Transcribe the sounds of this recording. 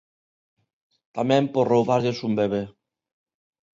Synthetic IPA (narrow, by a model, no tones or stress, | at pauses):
t̪amɛ̃mporowβaɾʎesumbeβe